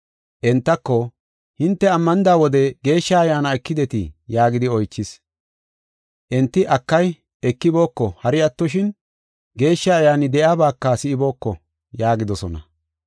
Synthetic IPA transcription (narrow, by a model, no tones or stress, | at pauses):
ʔɛnt̪ːɐkːɔ | hɪnt̪ːɛɐmːɐnɪd̪aːwɔd̪ɛɡe̞ːʃːɐɐjaːnɐɛkːɪd̪ɛt̪ɪ̰jaːɡɪd̪ɪɔjt͡ʃːɪs | ʔɛnt̪ːɪʔɐkːɐj | ɛkːɪbo̞ːkːɔhɐɾɪɐt̪ːɔʃɪn | ɡe̞ːʃːɐːjaːnɪd̪ɛʔjaːbaːkːasɪɪbo̞ːkːɔ | jaːɡɪd̪ɔsɔnɐ̰